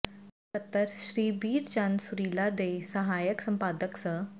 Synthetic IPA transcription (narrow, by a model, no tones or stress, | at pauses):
sət̪ːəɾɕɾiːbiːɾt͡ɕansuɾilad̪esəɦajəksəmpad̪əksə